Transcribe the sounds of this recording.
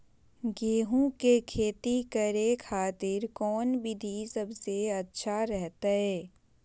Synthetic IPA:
ɡeːɦũkekʰeːt̪ikɐɾekʰaːt̪ɪɾkɔːnbɪd̪ʱisɐbseɐtːʃʰaɾɛɦt̪aɦɛː

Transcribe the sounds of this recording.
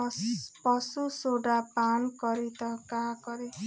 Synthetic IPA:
pɔsusoɖapankɔɾit̪ʌkakɔɾi

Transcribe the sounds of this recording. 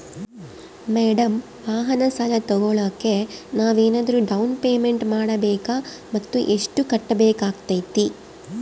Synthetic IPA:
meːɖɐm | ʋaːɦɐnɐsɐlɐt̪ɔɡoɭɐːkːe̞naːʋeːnaːd̪ɐɾuɖɐwnpeːmeɳʈmaːɽɐbɛːka | mɐt̪ːṵʔeʂʈukɐʈːɐbeːkaːɡt̪ɐjt̪i

